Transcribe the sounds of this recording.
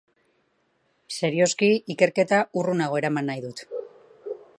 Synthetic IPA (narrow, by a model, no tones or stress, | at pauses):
se̞ɾio̞skiike̞ɾke̞t̪aurunaɣ̞o̞eɾamanːajðut̪